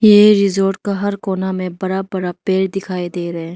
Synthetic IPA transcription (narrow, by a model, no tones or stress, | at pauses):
jeːɾɪzoːɾʈkaɦɐɾkoːnamẽbɐɾabɐɾapeːɾd̪ɪkʰaːid̪eːɾɐɦɛ̃ː